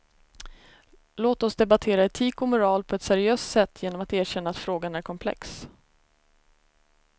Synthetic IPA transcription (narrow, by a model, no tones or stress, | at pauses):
loːt̪ɔsd̪ɛbat̪ʰeːɾaɛt̪ʰiːkɔmʊɾɑːlpʰɔɛt̪sæɾɪøːst̪sɛt̪ːjeːnɔmat̪æːɕɛnːaːt̪fɾoːɡanæɾkʰɔmpʰlɛ̰ks